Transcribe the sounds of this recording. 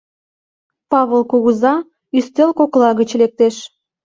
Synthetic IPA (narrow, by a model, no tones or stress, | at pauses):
pɑβəlkoɣəzɑ | yst̪elkoklɑɣət͡ɕlek̚t̪eʃ